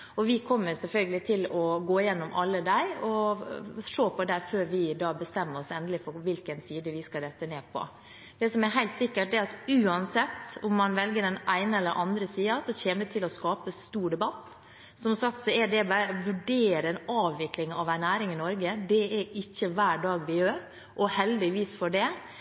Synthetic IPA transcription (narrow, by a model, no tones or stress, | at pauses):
ɔʋɪkʰɔmːəɾsɛlfœlɡəlɪt̪ʰɪlɔɡoːɪjɛnːɔmʔɑlːəd̪æɪɔ | ʂoːpʰɔd̪æɾføːɾʋɪd̪ɑːbəst̪ɛmːəɾɔsɛnd̪əlɪfɔɾʋɪlkənsiːd̪əʋɪskɑd̪ɛt̪ːəneːpʰɔ̰ | d̪̥ɛsɔmɛɾɦæɪt̪sɪkːəʈd̪ɛɾɑt̪ʉːɑnsɛt̪ːʊmːɑnʋɛlɡəɖɛnʔæɪnəɛlːəɾʔɑnd̪ɾəsiːɑsɔçeːməd̪ɛt̪ʰɪlɔskɑːpəst̪uːɖɛbɑt̪ː | sɔmsɑk̚t̪sɔɛɖɛbɑɾəʋʉɖeːɾəɛnɑːʋːɪklɪŋɑʋæɪnæːɾɪŋɪnɔɾɡəd̪ɛɛɾɪçːəʋæːɖɑːɡʋɪjøːɾ | ʔɔhɛld̪ɪʋiːsfɔɖɛ